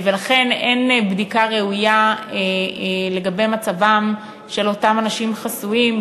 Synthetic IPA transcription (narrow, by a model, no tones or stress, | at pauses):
velaχe̞ne̞nbdikaʁe̞ujaele̞ɡabejmat͡savam | ʃe̞lo̞tamanaʃimχasuim